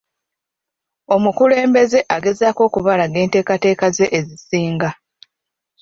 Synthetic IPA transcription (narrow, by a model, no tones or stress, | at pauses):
o̞mukule̞ːmbe̞ze̞ʔaɡe̞zaːko̞ːkuβalaɡe̞ːnte̞ːkate̞ːkaze̞ʔːzisiːŋɡa